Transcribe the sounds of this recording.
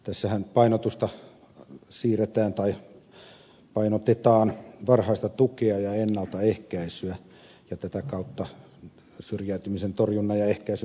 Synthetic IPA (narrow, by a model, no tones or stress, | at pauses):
t̪æsːæhænpɑinot̪ust̪ɑ | siːret̪æːnt̪ɑi | pɑinot̪et̪ɑːnʋɑrhɑist̪ɑt̪ukeɑjɑenːɑlt̪ɑehkæisyæ | jɑt̪æt̪ækɑut̪ːɑ | syrjæyt̪ymisent̪orjunːɑjɑehkæisy